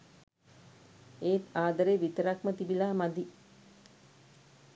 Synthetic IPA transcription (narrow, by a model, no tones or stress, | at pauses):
eːt̪aːd̪əɾeːʋit̪əɾakmət̪ibilaːmad̪i